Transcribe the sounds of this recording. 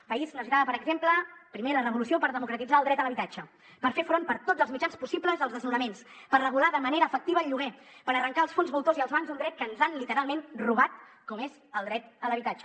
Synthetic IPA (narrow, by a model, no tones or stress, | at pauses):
pəiznozɣɾaðəpəɾəɡzempləpɾimelərəβ̞ulusiopəɾðəmukɾət̪id͡zaəlˠd̪ɾɛt̪ələβit̪ad͡ʒə | pəɾfefɾonpəɾt̪od͡zəlˠzmid͡ʒanspusipləzəlˠzðəznuɾəmens | pərrəɣ̞ulaðəməneɾəːfək̚t̪iβəːʎːuɣɛpəɾərəŋkaəlˠsfonzβulˠt̪oziəlˠzβaŋzd̪und̪ɾɛt̪̚kənzanlit̪əɾalˠmenruβat̪ | kɔmezəlˠd̪ɾɛt̪ələβit̪ad͡ʒə